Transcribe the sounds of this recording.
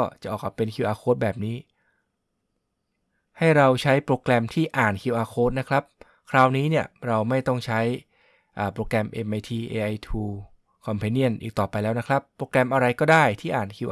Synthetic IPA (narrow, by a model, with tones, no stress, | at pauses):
kɔ˥˩t͡ɕa˨˩ʔɔː˨˩k̚aː˨˩pe˧nkʰi˧˩wʔaː˧kʰoː˦˥t̪̚bɛː˨˩p̚niː˦˥ | ha˥˩jɾa˧wt͡ɕʰa˦˥jpɾoː˧klɛ˧mt̪ʰiː˥˩ʔaː˨˩nkʰi˧wʔaː˧kʰoː˦˥t̪̚na˦˥kʰɾa˦˥p̚ | kʰɾaː˧˥wniː˦˥ni˥˩əɾa˧wma˥˩jt̪ɔ˥˩ŋt͡ɕʰa˦˥j | ʔaː˨˩pɾoː˧kɾɛ˧mʔe˧mʔa˧jt̪ʰiː˧ʔeː˧ʔa˧jt̪ʰuː˧ | kʰɔ˧mpʰɛː˧ni˥˩ənʔḭː˨˩k̚t̪ɔː˨˩pa˧jlɛː˦˥wna˦˥kʰɾa˦˥pːɾoː˧kɾɛ˧mʔa˧ɾa˧jkɔː˥˩daː˥˩jt̪ʰiː˥˩ʔaː˨˩nkʰi˧wʔ